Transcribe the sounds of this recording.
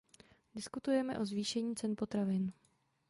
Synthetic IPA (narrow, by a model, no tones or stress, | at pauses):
dɪskut̪ujɛmɛ̰ʔo̞zviːʃɛɲiːt͡sɛnpo̞t̪ɾavɪn